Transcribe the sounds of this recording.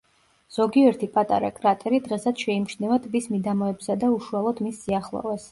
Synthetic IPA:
z̥ɔɡiɛɾt̪ʰipʼat̪ʼa̰ɾa̰kʼɾat̪ʼɛɾid̪ʁɛsat̪ʃɛimt͡ʃnɛvat̪ʰʼvismid̪amɔɛbsad̪auʃualˠɔd̪misːiaχlˠɔ̰vɛs

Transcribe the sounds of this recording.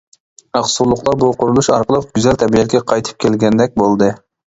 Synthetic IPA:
ɑχsulˠʊqlˠɑbuqʊɾulˠuʃɑ̰ɾqəlˠəp̚ɡʲyzɛlt̪ʰɛbijɛkʲɛqʰɑjt̪ʰɨ̥p̚kʲʰelɡʲɛnd̪ɛk̚ʲbolˠd̪ɨ

